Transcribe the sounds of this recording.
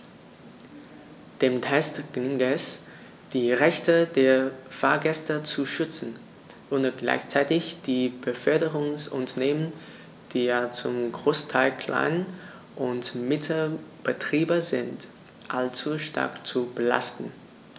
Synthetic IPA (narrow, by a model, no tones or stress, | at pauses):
d̥eːmtʰɛstɡ̥ɪŋɛs | d̥iːʁɛçtədeːɐfaːɐɡɛstɐt͡suʃʏt͡sn̩ | ʔonəɡ̥la̰ɪçt͡saɪtɪçd̥iːb̥əfœɐdəʁʊŋsʔʊntɐneːmən | d̥iːjat͡sʊmɡʁoːstʰaɪlkʰl̥a̰ɪn | ʔʊntmɪtʰəb̥ətʁ̥iːbɐzɪnt | ʔalt͡suʃtʰa̰ɐkt͡subəla̰stn̩